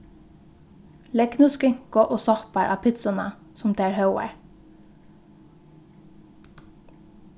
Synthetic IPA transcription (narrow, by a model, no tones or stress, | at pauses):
lɛknʉskɪŋɡ̥oːʔoːsɑhpɑɾʔɑ̰ːpʰɪt̪sɑnɑ̰ | sʊmd̪eːæːɹhɑʊə̰ɹ